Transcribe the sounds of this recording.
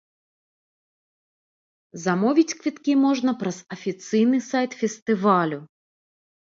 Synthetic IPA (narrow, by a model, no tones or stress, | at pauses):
zamɔvʲit͡sʲkvʲit̪kʲimɔʐnɐpɾɐzɐfʲit̪sɨjnɨsajt̪fʲɛst̪ɨvalʲʊ